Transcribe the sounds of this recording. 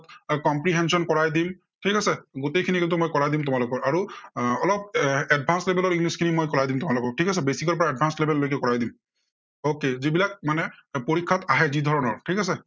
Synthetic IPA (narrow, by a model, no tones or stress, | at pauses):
tkɔmpɹiɦɛnsɔnkɔɹajdim | tʰikasɛɡotejkʰinikintumojkɔɹajdimtʊmalʊkɔɹaɹuɔlɔp̚ɛd̚bʱanslebɛlɔɹiŋɡliskʰinimojkɔɹajdimtʊmalʊkɔɹ̚ʈʰikas̬ɛbesikɔɹpɔɹaɛd̚bʱanslebɛllojk̬ɛkɔɹajdim | okezibilak̚manɛpoɹikʰːataɦɛzidʱɔɹɔnɔɹtʰikasɛ